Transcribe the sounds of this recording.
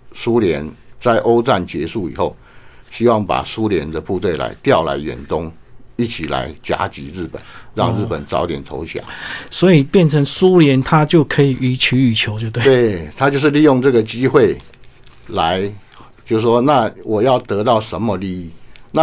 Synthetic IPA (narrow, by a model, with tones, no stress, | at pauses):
su˦ljɛ̰˧˦nt͡sa˥˩ɪʔo˥ʊt͡sa˥˨˩nt͡ɕjɛ˧˥ʂu˥˩ḭ˨˩xo˥˩ʊ | ɕi˥wɑ˥˩ŋpa̰˨˩su˦ljɛ˧˦nd̪ə˧pu˥˧t̪we˥˩ɪla̰˧˦˥ɪt̪jɑ˥˩ʊla̰˧˥ɪɥɛ̰˨˩nt̪ʊ˦ŋi˥˩t͡ɕʰi˨˩la̰˧˦ɪt͡ɕja̰˥t͡ɕi˧˥ɻ̩˥˩pə̰˨˩˦nɻɑ̰˥˧ŋɻɻ̩˥˩pə˨˩nt͡sɑ̰˨˧˥ʊt̪jɛ˨˩nt̪ʰo˧˦ʊɕja̰˨˩˦swɔ˧˥i˨˩pjɛ˥˩nt͡sʰə˧˦ŋsu˥ljɛ˧˦nt̪ʰa˦t͡ɕjo˥˩ʊkʰɤ˧˥i˨˩ʔy˧˥t͡ɕʰy˧˥y˨˩t͡ɕʰjo˧˦ʊjo˥˧t̪we˥˧we˥˨˩ɪt̪ʰa˥t͡ɕjo˥˧ʊʂ̬ɻ̩˥˧li˥˧jo˥˧ŋʈ͡ʂɤ˥˩ɡə˨t͡ɕi˦˥xwe˥˩ɪ | la˧˦ɪ | t͡ɕjo˥˧ʊ˩ʂwɔ˦na˥˨wʔɔ˨˩jɑ˥˩ʊt̪ɤ˧˥t̪ɑ˥˩ʊʂə˧˦˥nmə˨˧li˥˧i˥˩na˥˨